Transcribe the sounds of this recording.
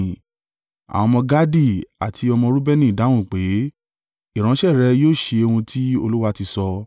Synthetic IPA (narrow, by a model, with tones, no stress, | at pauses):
a̰˨w̃ɔ̃˧mɔ̃˧ɡa˦di˦˨a̰˨tʰi˧ɔ˧mɔ̃˧ɾu˦bɛ˦nĩ˦˨da˨˦wũ˦˨k͡pe˨˦ | i˦˨ɾ̃ã˨˦ʃɛ˦˨ɾɛ˧joː˦˨ʃe˧o˧hũ˧tʰi˦o̰˧lu˦wa˦ti˧sɔ˧